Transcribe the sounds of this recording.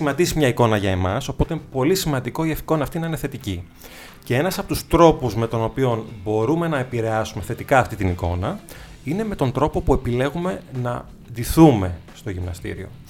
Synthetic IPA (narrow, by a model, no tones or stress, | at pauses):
imɐd̪isimɲɐiko̞nɐʝɐemɐso̞po̞t̪epo̞lisimɐnd̪iko̞iɐfi̥ko̞nɐːft̪inɐineθe̞t̪ici | ce̞e̞nɐsɐpo̞t̪ust̪ɾo̞puzme̞t̪o̞no̞pio̞nbo̞ɾume̞nɐepiɾe̞ɐsume̞θe̞t̪ikɐːft̪it̪iniko̞̰nɐ | ineme̞t̪o̞nd̪ɾo̞po̞pue̞pile̞ɣume̞nɐ | d̪iθume̞st̪o̞ʝimnɐst̪ḭɾio̞̰